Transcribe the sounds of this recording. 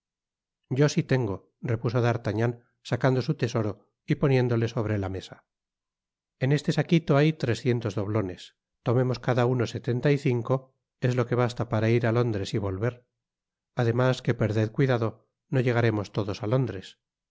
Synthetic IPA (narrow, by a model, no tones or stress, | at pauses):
ɟ͡ʝo̞sit̪e̞ŋɡo̞ | re̞puso̞ðaɾt̪aɲan | sakand̪o̞sut̪e̞so̞ɾo̞ | ipo̞nje̞nd̪o̞le̞so̞β̞ɾelame̞sa | e̞ne̞st̪e̞sakit̪o̞ajt̪ɾe̞sθje̞nt̪o̞zðo̞β̞lo̞ne̞s | t̪o̞me̞mo̞skaðauno̞se̞t̪e̞nt̪aiθiŋko̞ | e̞zlo̞ke̞β̞ast̪apaɾaiɾalo̞nd̪ɾe̞siβo̞lβe̞ɾ | aðe̞maske̞pe̞ɾðeðkwiðaðo̞ | no̞ʝe̞ɣ̞aɾe̞mo̞st̪o̞ðo̞salo̞nd̪ɾe̞s